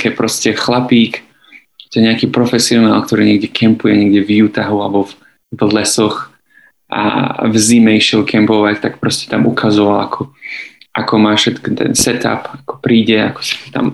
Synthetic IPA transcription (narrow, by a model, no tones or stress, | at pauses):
kɛpɾɔscɛxlapiːk | ɛt̪ɔɲɛakiːpɾɔfɛsiɔna̰ːlkt̪ɔɾiːɲɛɡɟɛkʰɛmpujɛɲɛɡɟɛvjuːt̪aɦualbɔv | vlɛsɔx | ʔa̰vzimɛiʃɛlkʰɛmpɔʋact̪akpɾɔscɛ̥t̪amukʰazɔʋalakʰɔʔakɔmaːfʃɛt̪kɔt̪ɛ̰nsɛt̪a̰pakɔ̥pɾiːɟɛakɔ̥si̥t̪ɔ̥t̪a̰m